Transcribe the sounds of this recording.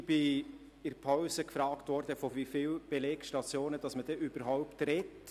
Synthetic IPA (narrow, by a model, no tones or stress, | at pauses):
b̥ɪ | ɪrpʰɔʊsəkfɾɑːktʋɔrdəfovifiːlb̥eleːkʃtɑtt͡sjoːnəd̥ɑsməd̥ɛʔybəɾɦɔʊptrɛt